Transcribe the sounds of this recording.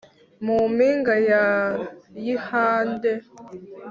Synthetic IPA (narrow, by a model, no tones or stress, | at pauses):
mumiŋɡajajihaːnde